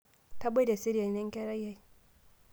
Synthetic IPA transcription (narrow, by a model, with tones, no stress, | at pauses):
ta˦be˦da˨si˦ɾija˨i˨nɛ˦ŋ˦kɛ˦ɾa˦ja˦j